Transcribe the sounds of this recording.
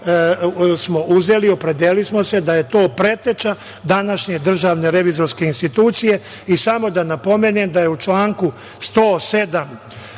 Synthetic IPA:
smo̞ʔuze̞lio̞pɾe̞d̪elismo̞se̞d̪aje̞t̪o̞ːpɾe̞t̪e̞t͡ʃa | d̪anaʃɲe̞d̪r̩ʒaːʋne̞ɾe̞ʋizo̞ɾske̞inst̪it̪uːt̪sije̞ | isamo̞d̪anapo̞menemd̪ajeut͡ʃlaːŋku | st̪oːse̞d̪am

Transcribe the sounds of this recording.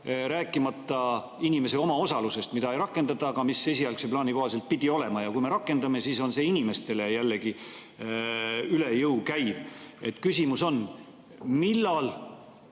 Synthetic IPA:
ɾæːkːˑimɑt̪ːˑɑ | inʲime̞se̞o̞mɑo̞sɑluse̞st̪mid̪̥ɑejɾɑkːˑe̞nd̪ɑt̪ːˑɑːɡ̥ɑmisːe̞siɑlkseplɑːniko̞hɑs̬e̞lt̪̚pid̪̥io̞le̞mɑjɑkujme̞ɾɑkːˑe̞nd̪ɑme̞siːso̞nse̞ːinime̞st̪e̞le̞jælːe̞ɡ̥i | yle̞jɤwkæjve̞t̪ːˑkysimuso̞n | milːɑl

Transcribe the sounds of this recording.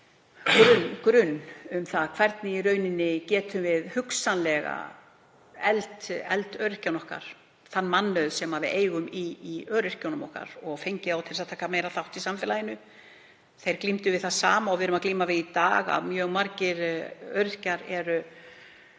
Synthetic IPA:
kɾʏnkɾʏnːʏmθaðkʰv̥ɛɾt̪nɪiɾœːɥnɪnːɪcɛːt̪ʰʏmvɪðhʏksanlɛɣa̰ | ɛlt̪ɛ̰lt̪œɥɾɪhcawnɔhka̰ɾ̥ | θanːmanːœðsɛmhavɪ̰ðʔeːjɣʏmiːœːɾɪr̥cownʏmɔhka̰ɾɔɣfejɲcɪðawt̪ʰɪlsaðt̪ʰaːhkameːjɾaθawt̪isamfɪːlajɪnʏ | θejɾklimt̪ʏvɪðθaðsaːmaɔɣvɪðɾʏmakliːmavɪðit̪a̰ːɣa̰ðmjœːɣmaɾcɪɾœ̰ɥɾɪhcaɾɛɾʏ

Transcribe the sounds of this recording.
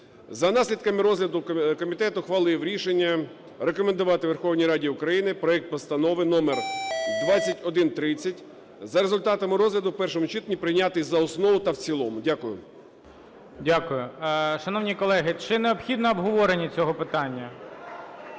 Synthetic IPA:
zɐnɑsʲlʲid̪kɐmɪɾɔzlʲɐd̪ʊkɔmʲit̪ɛt̪ʊxʋɐlˠɪwɾʲiʃenʲːɐ | ɾekɔmend̪ʊʋɑt̪ɪʋerxɔwnʲijɾɑdʲiʊkɾɐjinɪpɾɔɛk̚t̪̚pɔst̪ɐnɔʋɪnɔmerd̪ʋɑt͡sʲːɐtʲɔd̪ɪnt̪ɾɪt͡sʲːɐtʲ | zɐɾezʊlʲt̪ɑt̪ɐmɪɾɔzlʲɐd̪ʊpɛrʃɔmʊt͡ʃit̪nʲipɾɪjnʲat̪ɪzɐɔsnɔʋʊt̪ɐwt͡sʲilˠɔmʊdʲakʊjʊ̰ | dʲakʊjʊʃɐnɔʋnʲijkɔlˠɛɦɪt͡ʃɪneɔbxʲid̪nɔːbɦɔʋɔɾenʲːit͡sʲɔɦɔpɪt̪ɑnʲːɐ

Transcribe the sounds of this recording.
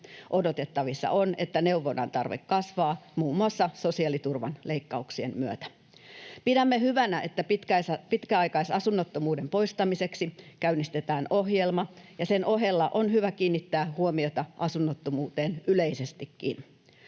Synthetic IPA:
ʔo̞dot̪e̞t̪ːɑʋisːɑ̰ʔonḛt̪ːæne̞uʋːonɑ̰nt̪ɑrʋḛkːɑsʋɑːmuːmːuɑsːɑso̞siɑlit̪urʋɑ̰nleikːɑuksiemmyøt̪æ̥ | pidæmːehyʋænæʔet̪ːæpit̪kæspit̪kæɑjkɑisɑsunːot̪ːomuːdempo̞ist̪ɑmiseksikæynːist̪et̪æːnohjelmɑjɑsenʔoɦe̞lːɑʔonɦyʋækiːnːit̪ːæːhuomiot̪ɑʔɑsunːot̪ːomuːt̪eːnyleisest̪ikːḭn

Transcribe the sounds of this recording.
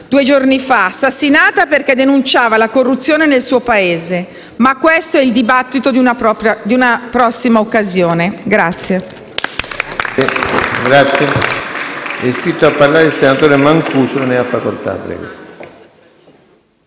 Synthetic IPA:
d̪̥uːed͡ʒornifasːasːinaːt̪aperkɛd̪enunt͡ʃaːvalakorːut̪sːjoːnenelsuːopaeːze | makːwest̪oɛild̪ibat̪ːit̪od̪unaɔad̪iunapɾɔsːimaokːazjoːneɡɾat̪sːje | ɡɾat̪sːje | ɛskɾit̪ːoapːarlaːɾeilsenat̪oːɾemaŋkuːsooneafːakolt̪a̰bɾɛ̰ːɡo̰

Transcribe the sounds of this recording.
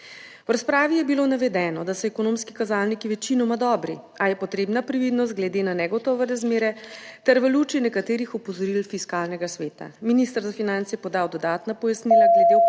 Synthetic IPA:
wɾaspɾaːʋijɛbilonaʋɛd̪ɛːnɔd̪asɛɛkɔnomski̥kazalnikiʋɛt͡ʃinɔmad̪ɔːbɾi | ajɛpɔt̪ɾeːbnapɾiʋid̪nɔst̪̚ɡlɛd̪enanɛɡɔt̪ɔːʋɛɾazmeːɾɛt̪ɛɾʋəlut͡ʃinɛkat̪eːɾixɔpɔzɔɾilfiskaːlnɛɡasʋeːt̪a̰minist̪əɾzafinant̪sjɛpɔd̪awd̪ɔd̪aːt̪napɔjasnilaɡlɛd̪e

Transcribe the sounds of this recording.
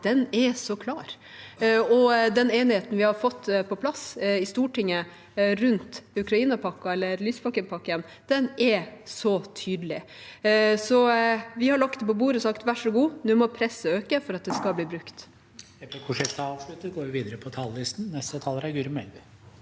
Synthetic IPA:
d̪̥ɛnɛsɔkʰlɑːɾ | ɔd̪ɛneːnɪheːt̪n̩ʋɪhɑɾfɔt̪ːpʰɔpʰlɑsɪst̪uːʈɪŋːə | ɾʉnt̪ʉkɾɑiːnɑpʰɑkːɑɛlːəɾlyːspʰɑkːənpʰɑkːɪən | d̪̥ɛnɛɾsɔt̪ʰyːd̪lɪ | sɔʋɪhɑɾɭɑk̚t̪̚d̪ɛpɔbuːɾəɔsɑkt̪ʋæʂɔɡuːnʉːmɔpʰɾɛsːəøːkəfɔɾɑt̪̚d̪ɛskɑbliːbɾʉkt̪ | ɛpɛkʰʊʂɛkt̪ɑɑːʋʂlʉt̪əɡoːʋɪʋiːd̪əɾəpʰɔt̪ʰɑlːɪst̪n̩nɛst̪ət̪ʰɑlːəɾæɾɡʉɾmɛlʋ

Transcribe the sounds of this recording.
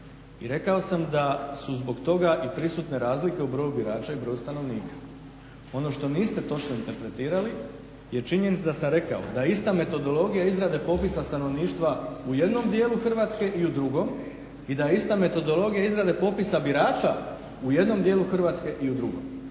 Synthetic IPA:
iɾe̞kao̞samd̪asuzbo̞ɡt̪o̞ɡaʔipɾisuːt̪ne̞ɾaːzlike̞ubɾo̞ːjubiɾaːt͡ʃaibɾojust̪ano̞ʋniːkʰḁ | o̞no̞ʃt̪o̞niːst̪e̞t̪o̞t͡ʃno̞int̪e̞ɾpɾe̞t̪iːɾali | je̞t͡ʃiɲe̞nit̪ad̪asamɾe̞ka̰o̰d̪aist̪ame̞t̪o̞d̪o̞lo̞ɡijaizɾad̪e̞po̞pisast̪ano̞ʋniːʃt̪ʋaujed̪no̞md̪je̞ːlˠuxr̩ʋaːt̪ske̞ʔiud̪ɾuɡo̞m | id̪aist̪ame̞t̪o̞d̪o̞lo̞ɡijaizɾad̪e̞po̞pisabiɾaːt͡ʃa | uje̞d̪no̞md̪je̞ːluxr̩ʋaːt̪ske̞ʔiud̪ɾuɡo̞̰m

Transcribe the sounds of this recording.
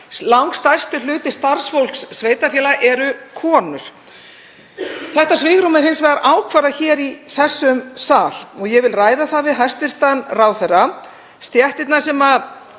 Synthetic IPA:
lawŋkst̪ajst̪ʏlʏːt̪ɪ̥st̪aɾ̥sfowl̥ksːveːjt̪afjɛːlaʔɛɾʏkʰɔːnʏɾ̥ | θɛht̪asvɪːɣɾumɪɾ̥hɪnsvɛaɾʔaːwkʰvaːɾaçɛːɾiθɛsːʏmsaːl̥ɔɣjɛvɪlraːjðaθaðvɪðɦajst̪vɪr̥t̪anraːwθɛrːa | st̪jɛht̪ɪt̪nasɛmað

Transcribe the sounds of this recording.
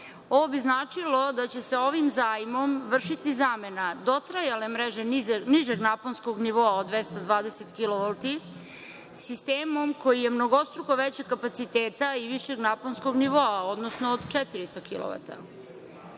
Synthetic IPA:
o̞ʋo̞biznaːt͡ʂilo̞d̪at͡ɕe̞seo̞ʋimzaːjmo̞mʋr̩ʂit̪izame̞nad̪o̞t̪ɾajale̞mɾeʒeniʒeɡnaponskoɡniʋoaod̪ʋest̪ad̪ʋaːd̪eset̪kiloʋolt̪i | sist̪eːmo̞mko̞jije̞mno̞ɡost̪ɾokoʋet͡ɕekkːapat̪sit̪eːt̪aiʋiʃe̞ɡnaponskoɡniʋo̞ao̞d̪nosnoːd̪t͡ʃet̪iɾist̪okḭlˠo̰ʋa̰t̪a̰

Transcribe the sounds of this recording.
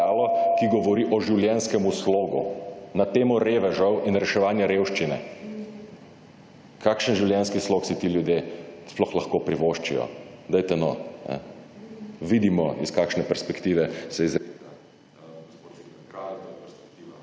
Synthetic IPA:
aːlɔkiɡɔʋɔɾiʔɔʒiwljɛnskɛmusloːɡṵnat̪eːmɔɾeːʋɛʒɔwinɾɛʃɛʋaːnjɛɾewʃt͡ʃinɛ̰ | kʰaːkʃənʒiwljɛnskisloksit̪iljud̪jesplɔxlɐxkoːpɾiʋoʃt͡ʃḭjɔ̰d̪ɛjt̪ɛnɔnɛ̰ | ʋid̪imɔiskaːkʃnɛpɛɾspɛkt̪iːʋɛsɛiz | i

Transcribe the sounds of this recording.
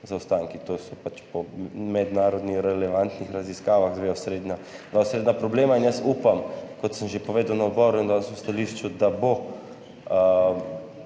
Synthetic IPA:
zawst̪aŋkit̪oːsɔpat͡ʃpɔmɛd̪naːɾɔd̪nixɾɛlɛʋant̪nixɾaziskaːʋaxd̪ʋeɔsɾed̪nad̪ʋaʊsɾeːd̪napɾɔbleːmainjəsuːpamkɔt̪səmʒepoʋeːd̪ɐwnaɔd̪bɔɾuind̪asust̪aliːʃt͡ʃud̪abo | ə

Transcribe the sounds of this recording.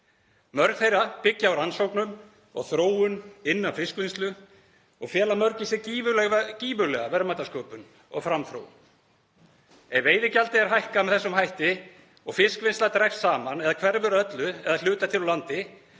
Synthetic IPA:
mœɾkθejɾapɪcːaawɾansowknʏm | ɔ̰ɣθɾoːwʏnɪnːanfɪskvɪnst̪lʏ | ɔɣfjɛːlamœɾcɪsɛciːvʏlɛciːvʏlɛɣavɛɾmaːt̪askoːpʏn | ɔ̰ɣfɾamθɾo̰ːw | ɛveːjðɪcalt̪ɪɛɾɦajhkamɛðθɛsːʏmhajht̪ɪ | ɔɣfɪskvɪnst̪lat̪ɾɛkssaːmanɛðakʰvɛɾvʏɾœt̪lʏɛðal̥ʏːt̪at̪ʰɪlulant̪ɪ

